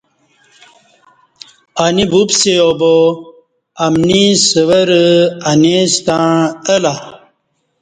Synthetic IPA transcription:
anibubsejobo | ɐmnisəʋɐɾanest̪aəla

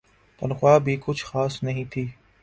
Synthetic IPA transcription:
t̪ɐnxʊwaːbʱikʊt͡ʃʰxaːsnɐɦĩt̪ʰiː

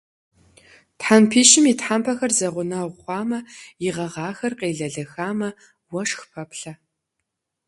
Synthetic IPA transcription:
tħampʰiːʃɪmitħampʰɐxɐrzɐʁʷʊnɐʁʷɑːmɐjɪʁɐʁɑːxɐrqeːɮɐɮɐxaːmɐ | wɐʂxpʰɐpɬɐ

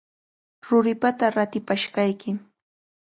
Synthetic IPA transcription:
ɾʊɾɪpat̪aɾat̪ɪpaʃɢɑjkɪ

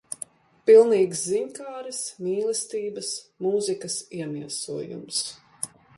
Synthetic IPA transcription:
pilˠniːɡsziɲkaːɾismiːlˠɛst̪iːbɐsmuːzikɐsiɛmiɛsuɔjṵms

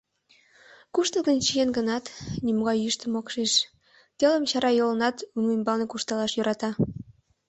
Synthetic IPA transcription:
kuʃt̪əlɣənt͡ɕijenɡənɑt̪nimoɣɑjyʃt̪ə̆mokʃeʃ | t̪elə̆mt͡ɕɑɾɑjolənɑt̪umembɑlnekuʃt̪ɑlɑʃjøɾʔɑt̪ɑ

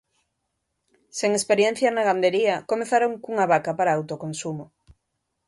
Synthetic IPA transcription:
seŋespeɾjen̟θjanaɣand̪eɾiɐkomeθaɾoŋkuŋaβakapaɾaːwt̪okonsumo

